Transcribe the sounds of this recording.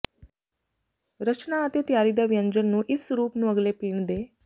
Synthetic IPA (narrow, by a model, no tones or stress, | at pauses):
ɾət͡ʃnaːt̪et̪jaɾid̪aʋjəɲd͡ʑənːũːʔisɾuːpnũəɡlepiːɳd̪e